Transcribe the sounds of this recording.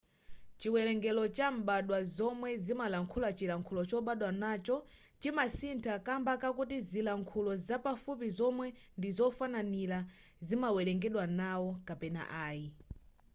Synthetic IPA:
t͡ʃiwɛlɛŋɡɛlɔt͡ʃam̩ɓaɗwazɔmwɛzimalaŋkʰulat͡ʃilaŋkʰulɔt͡ʃɔɓaɗwanat͡ʃɔ | t͡ʃimasintʰakambakak̬utizilaŋkʰulɔzapafup̬izɔmwɛndizɔfananila | zimawɛlɛŋɡɛɗwanawɔkapɛna̰ʔaːji

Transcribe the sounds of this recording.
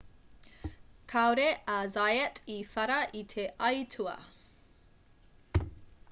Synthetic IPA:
kʰawɾeʔazajɛtʰifɐɾɐʔit̪ʰeʔɐjtʰuɐ̰

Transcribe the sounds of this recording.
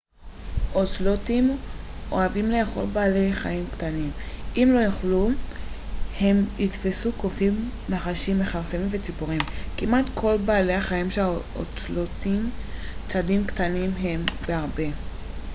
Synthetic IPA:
ʔot͡slotimʔo̰avimlejeχo̞̰lbaːle̞jχa̰imktanimʔimlo̞joχlu | he̞mitfesukofimnaχaʃimːe̞χaʁsemimvet͡sipuʁimkimatkʰo̞lbaːle̞aχaimʃea | o̰t͡slotim | t͡sadimktanimɦe̞mbeaʁbe̞

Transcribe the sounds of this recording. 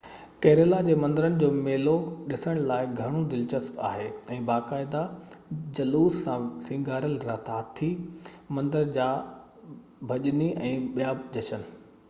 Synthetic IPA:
keːɾelad͡ʑeːmɐ̃nd̪əɾənɪ̆d͡ʑoːmeːloɗɪsəɽ̃laːɪɡʱɐɽ̃od̪ɪlt͡ɕəska̰ːɦeːɛ̃ːbaːkaːɪd̪ad͡ʑɐluːssãsĩːɡaːɾəlɾaːt̪ʰaɦt̪ʰi | mɐ̃nd̪əɾd͡ʑaː | bʱɐʄniʔɛ̃ːɓijaːd͡ʑɐt͡ɕən̆

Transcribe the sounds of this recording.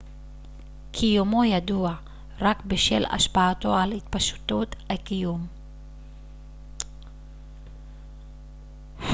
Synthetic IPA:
kʰijumojad̪ua | ʁakbeʃela̰ʃpaato̞ʕalhit̪paʃu̥t̪ut̪hakijum

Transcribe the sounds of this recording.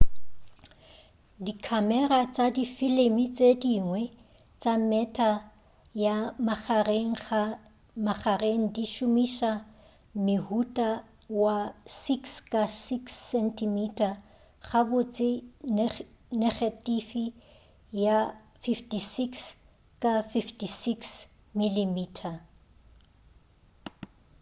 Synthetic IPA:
dikʰamɛɾat͡sʼadifɪlemit͡sʼediŋwɛ | t͡sʼamɛtʰʼa | jamaareŋ̩a | maχareŋ̩diʃʊmiʃa | mɪhutʼa | wasikskʼasiksːɛntʰimitʰʼa | χabʊt͡sʼɪ | nɛχatʼifi | ja | fiftʼisiks | kʼafiftisiks | milimiːtʰa

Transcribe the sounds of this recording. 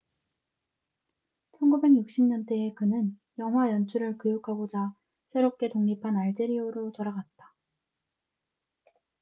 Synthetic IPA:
t͡ɕʰʌnɡube̞ɡjuk̚ɕ͈imɲʌnt͈ʰeekɯnɯnjʌŋɦwajʌnt͡ɕʰuɾɯɭkojokʰaɡod͡ʑa | sʰe̞ɾop̚k͈e̞toŋɲipʰanaɭd͡ʑe̞ɾioɾotoɾaɡat̚t͈ḁ

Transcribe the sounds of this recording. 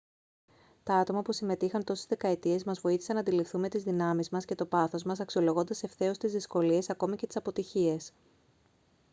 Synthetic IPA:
t̪ɐɐt̪o̞mɐpusime̞t̪ixɐnt̪o̞sezðe̞kɐet̪ie̞zmɐzvo̞iθi̥sɐnɐnd̪ilifθume̞t̪izðinɐmizmɐsce̞t̪o̞pɐθo̞zmɐsɐksio̞lo̞ɣo̞nd̪ɐse̞fθe̞o̞st̪izðisko̞lie̞sɐko̞micet̪i̥sɐpo̞t̪içie̞s

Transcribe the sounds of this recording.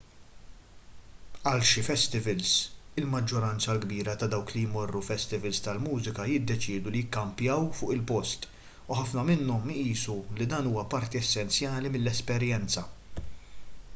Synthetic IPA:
ɐlʃɪfɛst̪ɪvɛlsɪlmɐd͡ʒːɔɾɐnt͡sɐlɡbiːɾɐt̪ɐd̪ɐwklijmɔrːufɛst̪ɪvɛlst̪ɐlmuːzɪkɐjɪd̪ːɛt͡ʃɪːd̪ulijɪkːɐmpjɐwfʊːʔɪlpɔst̪ | uħɐfnɐmɪnːɔmʔiːsulid̪ɐːnuːwɐpɐɾt̪iɛsːɛnt͡sjɐːlimɪlːɛspɛɾjɛnt͡sɐ

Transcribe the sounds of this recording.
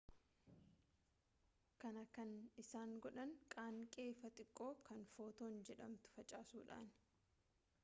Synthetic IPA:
kɐnɐkɐnɪsaːŋɡɔᶑɐŋkʼaːŋkʼeːfɐt̪ʼɪkʼːo̞ːkɐnfo̞ːt̪oːnd͡ʒɛᶑɐmt̪ʊ̥fɐt͡ʃʼaːsuːᶑa̰ːn

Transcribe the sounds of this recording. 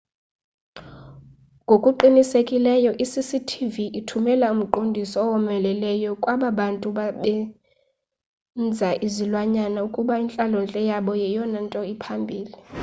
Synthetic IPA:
ŋɡʱokʼuǃinisekʼilɛjɔʔisisitʰiviʔitʰumɛlaum̩ǃondʱisɔːwɔmɛlɛlɛjɔkʼwaɓaɓantʼuɓaɓɛ | nd͡zʱaʔizilwaɲanaukʼuɓaint͡ɬʼalɔnt͡ɬʼɛjaɓɔjɛjɔnantʼɔipʰambʱiːli

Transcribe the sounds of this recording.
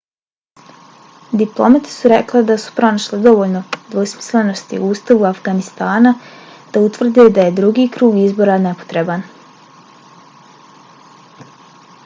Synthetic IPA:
d̪iplˠo̞mat̪i̥suɾekled̪asu̥pɾo̞naʃled̪o̞ʋolno̞d̪ʋo̞smi̥sle̞no̞st̪ḭuuːst̪aʋuafɡanist̪aːnad̪̥aut̪ʋr̩d̪ed̪aje̞d̪ɾuɡiːkɾuːɡizbo̞ːɾane̞po̥t̪ɾe̞ban

